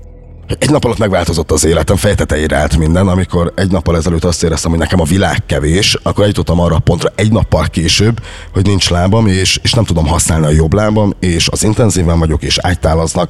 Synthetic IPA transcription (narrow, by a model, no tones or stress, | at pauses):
hoɛɟnɒpɒlɒt̪ːmɛɡvaːlt̪o̞zo̞t̪ːɒzeːlɛt̪ɛɱfɛjt̪ɛt̪ɛiɾɛ̰aːlt̪mind̪ɛnɒmiko̞ɾɛɟnɒpːɒlɛzɛløːt̪ːɒst̪eːɾɛst̪ɛmho̞ɟnɛkɛmɒvilaːkːɛveːʃɒkːoɾɛjut̪o̞t̪ːɒmɒːrːɒːpo̞nt̪rɒʔɛɟnɒpːɒlkeːʃøːbː | ho̞ɟnint͡ʃlaːbɒmeːʃeːʃnɛmt̪ud̪o̞mɦɒsnaːlniɒjo̞blaːbɒmeːʃɒzint̪ɛnziːvɛɱvɒɟo̞keːʃa̰ːct̪aːlɒznɒk